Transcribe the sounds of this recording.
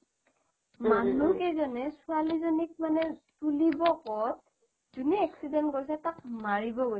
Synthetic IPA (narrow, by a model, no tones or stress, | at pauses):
manukɛzɔnɛsualizɔnik̚manɛtulibɔkɔt̚ | zuniɛksidɛntɡojsɛtakmaɹibɔɡojsɛ